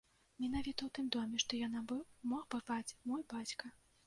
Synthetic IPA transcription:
mʲɛn̪avʲit̪ɐwt̪ɨmd̪ɔmʲɛʂt̪ɔjanabɨmɔxbɨrvat͡sʲmɔjbat͡sʲkɐ

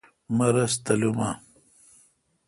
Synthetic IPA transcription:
mɐɾɐst̪ɐlumaː

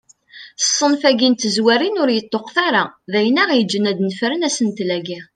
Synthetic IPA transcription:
θsˤːənfæɡint̪əzwæɾinʊɾjət̪ˤːoqθaɾaðæjənæʁjəd͡ʒːənæd̪nəfɾənæsənt̪læɡi

